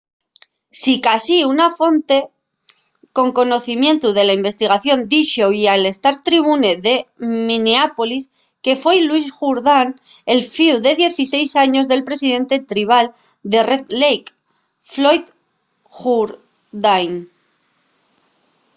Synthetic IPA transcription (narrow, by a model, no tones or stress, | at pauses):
sikasiunafo̞nt̪e̞ | ko̞ŋko̞no̞θimjẽ̞nt̪uðe̞laimbe̞st̪iɣaθjo̞nd̪iʃoiale̞st̪aɾt̪ɾiβ̞une̞ðe̞mĩneapo̞lis | ke̞fejlwuisʝuɾðan | e̞lfiuðe̞ðje̞θise̞jsaɲo̞zðe̞lpɾe̞siðe̞nt̪e̞t̪ɾiβ̞al | d̪e̞ret̪lejk | flo̞jt̪ | xuɾ | ðajn